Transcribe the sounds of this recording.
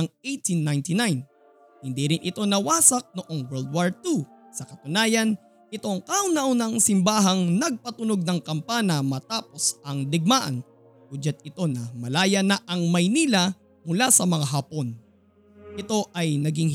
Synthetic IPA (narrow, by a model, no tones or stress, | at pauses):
ɐŋejt̪inːajnt̪ɪnajn | hɪnd̪iɾɪnʔɪt̪o̞nɐwaːsɐk̚nʊʔo̞ŋwɛɹld̪̚waɹt̪usɐkɐt̪ʊnaːjɐn | ɪt̪o̞ŋkɐʊnɐwnɐŋsɪmbaːɦɐŋnɐɡ̚pɐt̪ʊno̞ɡ̚nɐŋkɐmpanɐmɐt̪aːpo̞sʔɐŋd̪ɪɡ̚maːʔɐ̰n | ɡud͡ʒɐt̪̚ɪt̪o̞nɐmɐlaːjɐnɐʔɐŋmɐjniːla | mʊlasɐmɐŋaɦaːpon | ʔɪt̪o̞ʔɐjnɐɡiŋ